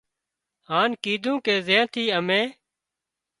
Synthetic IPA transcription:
haːnkiːd̪ʱũːkeːzẽːt̪ʰiːəmẽː

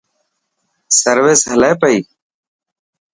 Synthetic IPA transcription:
səɾʋeːsɦəleːpəiː

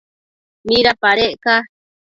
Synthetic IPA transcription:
mĩɾapaɾeʔka

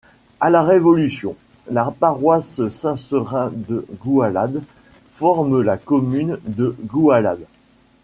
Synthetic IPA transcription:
alaʁevɔlysjɔ̰̃ | lapaʁwassɛ̃səʁɛ̃d̪əɡualad̪ | fɔʁməlakɔmynd̪əɡuala̰d̪

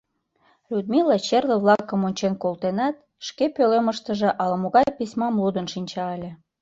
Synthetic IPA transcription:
lʲud̪̚milɑt͡ɕerləβlɑkəmonʲt͡ɕenkolt̪enɑt̪ | ʃkepøleməʃt̪əʒĕʔɑləmoɣɑjjpisʲmɑmlud̪ənʃinʲt͡ɕɑəlʲe

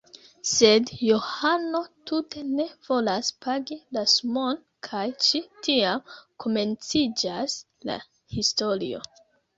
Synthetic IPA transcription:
se̞djo̞hano̞tute̞ne̞v̥o̞laspaɡilasmo̞n | kʰajʃitʰiamkʰo̞me̞nt͡sid͡ʒas | la̰ | histo̞lḭo̞̰

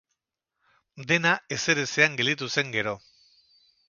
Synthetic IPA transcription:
d̪e̞nae̞se̞ɾe̞seaŋɡe̞ld̪it̪use̞ŋɡe̞ɾo̞

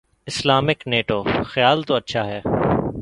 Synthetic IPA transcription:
ɪslaːmɪkneːʈoːxjaːlt̪oɐtːʃʰaɦɛː

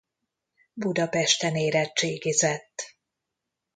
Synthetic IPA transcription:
bud̪ɒpɛʃt̪ɛneːɾɛt͡ʃeːɡizɛt̪ː

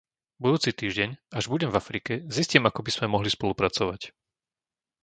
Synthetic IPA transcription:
bud̪uːt͡sit̪iːʒɟɛɲaʒbuɟɛmvafɾikɛziscimakɔbiz̥mɛmɔɦlispɔlupɾat͡sɔʋac

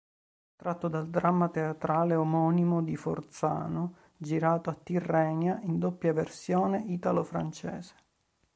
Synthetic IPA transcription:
t̪ɾat̪ːod̪ald̪ɾamːat̪eat̪ɾaːleomɔːnimod̪ifo̰rt̪sa̰ːno | d͡ʒiɾaːt̪oat̪ːirːɛːnjaʔind̪opːjaversjoːneʔiːt̪alofɾa̰nt͡ʃɛ̰ːze̥

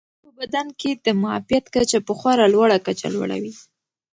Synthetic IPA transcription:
pəbad̪anked̪əmaa̰fijat̪kat͡ʃapəxwɑɾalwaɽakat͡ʃa̰lwa̰ɽa̰wi

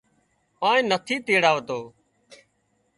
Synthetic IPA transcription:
ãːẽːnət̪ʰiːt̪iːɽaːʋət̪oː

